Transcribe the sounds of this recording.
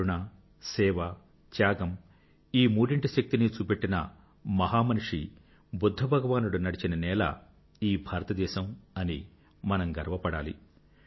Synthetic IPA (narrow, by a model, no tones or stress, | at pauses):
uɳaː | sɛːʋɐ | t͡ʃjaːɡɐm | iːmuːɽiɳʈiʃɐk̚t̪init͡ʃuːpe̞ʈːinɐ̰ | mɐɦaːmɐnuʂi | bud̪ʱːɐbʱɐɡɐʋaːnuɽunɐɽit͡ʃinɐnɛːlɐ̰ | iːbʱaːɾɐt̪ɐd̪ɛːʃɐmɐni | mɐnɐmɡɐɾʋɐpɐɽa̰ːlḭ